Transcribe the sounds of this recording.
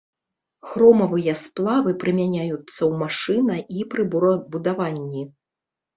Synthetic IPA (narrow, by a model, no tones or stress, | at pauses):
xɾɔmɐvɨjɐsplˠavɨpɾɨmʲanʲajut̪sːɐwmaʂɨnɐʔipɾɨbbud̪avanʲːi